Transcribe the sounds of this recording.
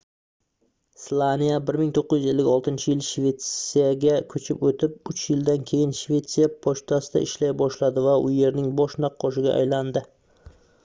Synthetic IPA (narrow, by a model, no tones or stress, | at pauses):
slˠanijabɪɾmɪŋt̪ʰoqːɨzjɪzelːɪɡʲɒlˠt̪ɪnt͡ʃʰɪjɪlt͡ʃʃve̞t̪sijaɡʲakʰɵt͡ʃʰɪpot̪ʰɪp̚ʊt͡ʃjɪld̪ankʲʰe̞jɪnʃve̞t̪sijapʰoʃt̪ʰasɪd̪a̰ʔɪʃlajbɒʃlad̪ɪvaʔʊje̞ɾnɪŋbɒʃnɑqʰːɒʃɪɡʲaʔa̰jland̪ɪ